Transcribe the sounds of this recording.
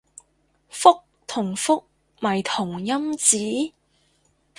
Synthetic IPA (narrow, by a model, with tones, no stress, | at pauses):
fʊ˥k̚ | t̪ʰʊ˨˩ŋfʊ˥k̚ | mɐ˨˩jt̪ʰʊ˨˩ŋjɐ˥mt͡siː˨˥